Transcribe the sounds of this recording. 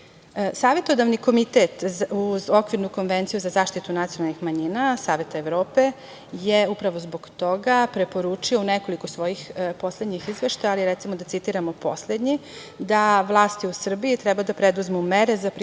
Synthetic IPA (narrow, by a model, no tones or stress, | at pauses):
saːʋe̞t̪o̞d̪aʋniko̞mit̪et̪uzokʋiɾnuko̞nʋent̪sijuzazaːʃt̪it̪unat̪sijonalnixmaɲinasaːʋet̪aevɾo̞ːpe̞ | jeupɾaʋo̞zboɡt̪o̞ɡapɾe̞po̞ɾut͡ʂiouneko̞likosʋo̞jixpo̞sle̞d̪ɲixizʋeʃt̪ajaliɾet̪simod̪at̪sit̪iɾamo̞po̞̰sle̞d̪ɲi | d̪aʋlˠaːst̪iusr̩biit̪ɾɛbajud̪apɾed̪uzmumeɾezap